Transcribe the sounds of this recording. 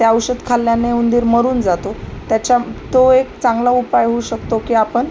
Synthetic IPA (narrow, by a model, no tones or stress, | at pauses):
t̪jaəwɕəd̪kʰaljaneund̪iːɾməɾuːnd͡zat̪ot̪jat͡ɕat̪oekt͡sãŋɡlaupajɦouɕəkt̪okiːapəɳ